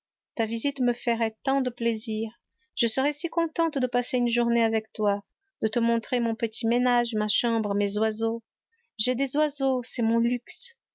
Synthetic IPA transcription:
t̪avizit̪məfəʁɛt̪ɑ̃d̪əpleziːʁ | ʒ̥əsəʁɛsikɔ̃t̪ɑ̃t̪d̪əpaseynʒuʁneavɛkt̪wa | d̪̥ət̪əmɔ̃t̪χemɔ̃pət̪ʰimenaʒmaʃɑ̃bʁmezwazo | ʒɛd̪ezwazosɛmɔ̃lyks

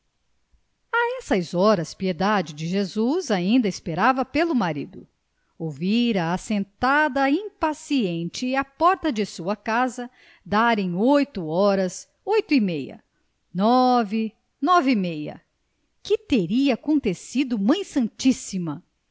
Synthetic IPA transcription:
aɛsɐzɔɾɐspied̪ad͡ʒɪd͡ʒɪʒezuzaĩnd̪ɐɪspeɾavɐpelʊmaɾḭd̪ʊ | owviɾɐːsẽnt̪ad̪ɐĩpasiẽnt͡ʃɪapɔɾt̪ɐd͡ʒɪsuɐkazɐ | d̪aɾẽj̃ojt̪ʊɔɾɐs | ojt̪ʊimejɐ̰ | nɔvɪ | nɔvimejɐ̰ | kɪt̪eɾiɐːkõnt̪esid̪ʊmɐ̃j̃sɐ̃nt͡ʃisimɐ

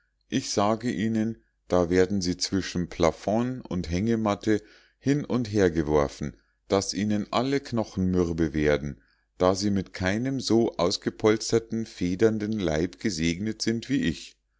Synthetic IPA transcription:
ʔɪçz̥aːɡəʔiːnən | d̥aːveːɐdn̩ziːt͡sv̥ɪʃn̩pʰl̥afɔnʊ̰ntɦɛŋəmatʰə | hɪnʊntɦeːɐɡəvɔɐfn̩ | d̥asʔiːnənʔaləknɔχn̩mʏʁbəveːɐdn̩ | d̥aːziːmɪtkʰaɪnəmzoːʔaʊsɡ̥əpʰɔlt͡stɐtn̩feːdɐndn̩la̰ɪpɡ̥əzeːɡnətz̥ɪntv̥iːʔɪç

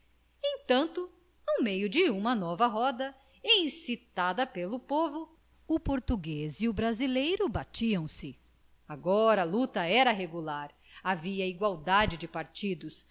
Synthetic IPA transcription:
ẽj̃t̪ɐ̃nt̪ʊ | uwmejʊd͡ʒɪũmɐnɔvɐɦɔd̪ɐ | ẽj̃sit̪ad̪ɐpelʊpovʊ | ʊpoɾt̪uɡeziʊbɾazilejɾʊbat͡ʃiɐ̃w̃sɪ | aɡɔɾɐalut̪ɐɛɾɐɦeɡulaɾ | aviɐiɡwawd̪ad͡ʒɪd͡ʒɪpaɾt͡ʃid̪ʊs

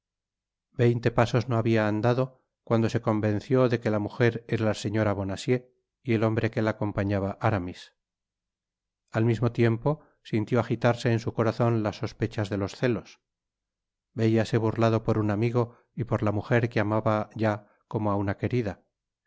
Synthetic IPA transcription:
be̞jnt̪e̞paso̞zno̞aβiaːnd̪aðo̞ | kwand̪o̞se̞ko̞mbẽ̞nθjo̞ðe̞ke̞lamuxe̞ɾeɾalase̞ɲo̞ɾaβo̞nasje̞ | ielo̞mbɾe̞ke̞laːko̞mpaɲaβaʔaɾamis | almizmo̞t̪je̞mpo̞ | sint̪joaxit̪aɾse̞ːnsuko̞ɾaθo̞nlasːo̞spe̞t͡ʃazðe̞lo̞sθe̞lo̞s | be̞iase̞βurlaðo̞po̞ɾunamiɣ̞o̞ | ipo̞ɾlamuxe̞ɾkeamaβaʝa | ko̞moaunake̞ɾiða

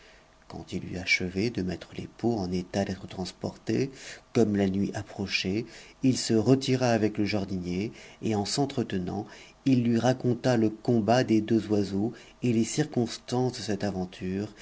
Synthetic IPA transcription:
kɑ̰̃t̪ilːḭaʃəvɛd̪əmɛt̪χəlḛpoɑ̃net̪ad̪ɛt̪χə̥t̪χɑ̃spɔ̰ʁt̪ekɔmlanɥiʔapχɔʃeilsəʁət̪iʁaːvɛkləʒaʁd̪injeeɑ̃sɑ̃t̪χət̪ənɑ̰̃ | ilːɥiʁakɔ̃t̪aləkɔ̃bad̪ed̪øzwazo | elesiʁkɔ̃st̪ɑ̃sd̪əsɛt̪avɑ̃t̪ʰyːʁ

